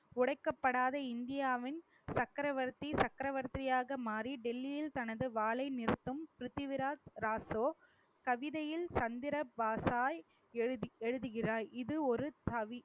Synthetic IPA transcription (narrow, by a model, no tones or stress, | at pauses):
ʊɽɐɪkːɐpːɐɽaːðɐɪnd̪ɪjaːʋɪn | sɐkːɾɐʋɐɾt̪ːisɐkːɾɐʋɐɾt̪ɾɪjaːɣɐmaːriɖɛlːɪjɪlt̪ɐnɐðɯʋaːlɐɪnɪɾɯt̪ːɯmpɾɪt̪ːɪʋɪɾaːt̪ɾaːsoː | kɐʋɪðɐjɪlsɐnd̪ɪɾɐbaːsaːj | ɛɻɯðɯɣɪraːɾɪðɯɔɾɯt̪ɐʋi